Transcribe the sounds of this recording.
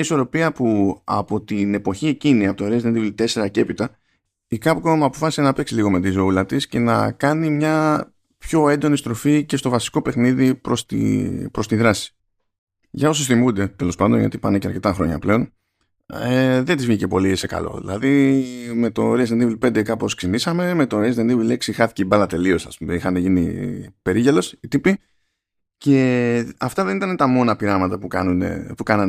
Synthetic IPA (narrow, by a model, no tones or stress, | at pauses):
ɲɐiso̞ɾo̞piɐpuɐ̰po̞t̪ine̞po̞çie̞ciniɐpot̪oɾeznenðivlit̪e̞se̞ɾɐce̞pit̪ɐ | ikɐpkomuɐpo̞fɐsi̥senɐpe̞ksiliɣo̞me̞t̪izo̞ulɐt̪isce̞nɐ̰kɐnimɲɐ | pço̞e̞nd̪o̞nist̪ɾo̞fice̞st̪o̞vɐsi̥ko̞pe̞xniðipɾost̪ḭpɾo̞st̪iðɾɐsi̥ | ʝɐo̞sosθimund̪e̞t̪e̞lo̞spɐnd̪onʝɐ̰t̪ipɐneceɐɾce̞t̪ɐxɾo̞̰ɲɐ̰ple̞o̞n | eðent̪izvʝice̞po̞lise̞kɐ̰lo̞̰ðḭlɐ̰ðime̞t̪o̞ɾesenivlpend̪ekɐpo̞sksinisɐme̞me̞t̪o̞ɾezend̪ivileksixɐθi̥ceibɐlɐt̪e̞lio̞sɐ̰spumeixɐneʝinḭpe̞ɾiʝelo̞sit̪ipi | ce̞ɐft̪ɐðe̞nit̪ɐnet̪ɐmo̞nɐpiɾɐmɐt̪ɐpukɐ̰nunḛpukɐnɐn